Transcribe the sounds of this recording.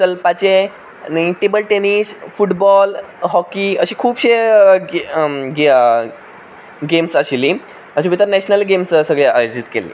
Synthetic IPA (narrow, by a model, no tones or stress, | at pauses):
səlpat͡ɕe | niʈibəlʈenisfuʈbɔl | ɦɔkiəɕiːkʰuːbɕe | ɡe | ɡemsaɕili | əɕĩbʱit̪əɾnɛɕnəlɡemssəɡɭea̰jod͡ʑit̪kḛlḭː